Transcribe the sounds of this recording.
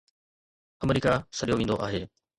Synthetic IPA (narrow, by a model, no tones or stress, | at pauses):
ɐmɾiːkasɐɗijoʋẽːnd̪oʔa̰ːɦeː